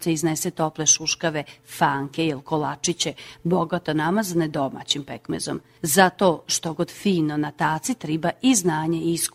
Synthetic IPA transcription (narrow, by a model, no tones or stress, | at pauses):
seizneset̪o̞pleʃuʃkaʋefaːŋkejelkolat͡ʃit͡ɕeboɡat̪onamazaned̪o̞ma̰t͡ɕimpekmḛzo̰m | zat̪o̞ʃt̪oɡod̪fiːnonat̪aːt̪sit̪ɾibaiznaːɲeisk